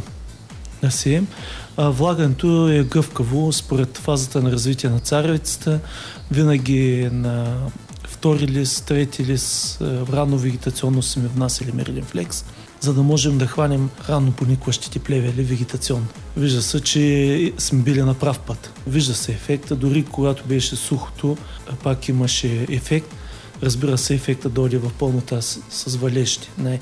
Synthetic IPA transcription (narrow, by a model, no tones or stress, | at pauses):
nɐsi | vlˠaɡənɛt̪oɛɡɤfkəvospoɾɛt̪fazət̪ənɐɾɐzvit̪iɛnɐt̪saɾvit̪sə̥t̪ə | vinɐɡʲinɐ | ft̪ɔɾilist̪ɾɛt̪ʰilisɾanovɛɡʲɛt̪ɐt̪siɔnːosmɛvnasilimɛ̰ɾlɛnflɛks | zɐd̪ɐmɔʒɛmd̪ɐxvanʲɛmɾanːoponʲikvɐʃt̪i̥t̪ɛplʲɛvʲɛlivɛɡʲɛt̪ɐt̪siɔnːo | viʒd̪ɐsɛt͡ʃɛsmɛbilɛnɐpɾafpət̪ | viʒd̪ɐsɛːfɛkt̪əd̪ʊɾikoɡat̪obɛʃɛsuxo̥t̪ʰopakimɐʃɛːfɛk̚t̪ | ɾɐzbiɾəsɛːfɛk̚t̪əd̪ɔjd̪ɛvɐfpolˠnot̪asɐzvɐlʲɛʃt̪i̥naɛ